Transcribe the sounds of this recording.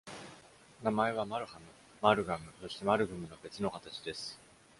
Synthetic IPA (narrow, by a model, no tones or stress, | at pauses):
namae̞β̞amaɾɯ̟hamɯ̟ | maɾɯ̟ɡamɯ̟so̞ɕi̥t̪e̞maɾɯ̟ɡɯ̟mɯ̟nobe̞t͡sɨno̞kat̪at͡ɕid̪e̞sɨ̥